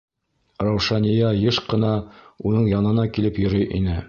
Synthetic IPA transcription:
ɾɑwʃɑnijɑjɤʃqɤ̆nɑunɤɴjɑnɤ̆nɑkilɘpjŏɾɤjʔinɘ

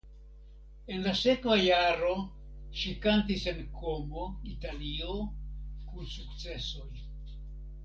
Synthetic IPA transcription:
e̞nlase̞kvajaɾo̞ | ʃikantise̞nkʰo̞mo̞italio̞kusukt͡se̞so̞j

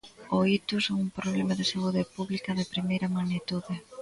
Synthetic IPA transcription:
oit̪usoŋumpɾoβlemaðɪsauðepuβlikɐðɪpɾimejɾɐmanit̪uðɪ

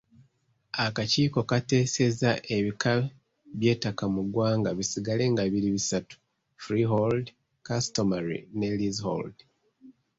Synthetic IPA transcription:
akaciːko̞kate̞ːse̞zaʔe̞βikʰa | βje̞ːtakamuɡwaːŋɡaβisiɡale̞ŋɡaβiɾiβisatu̥ | fɾiɦold | kastomaɾḭne̞lizho̰ld

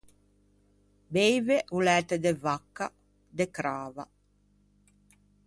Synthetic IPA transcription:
bejveʔulɛːt̪ed̪evakːa | d̪ekɾaːva

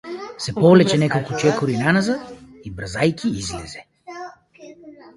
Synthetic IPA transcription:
sɛpɔvlɛt͡ʃɛnɛkolˠkʊt͡ʃɛkʊɾinanazəibɾzajkʲiizlɛzɛ

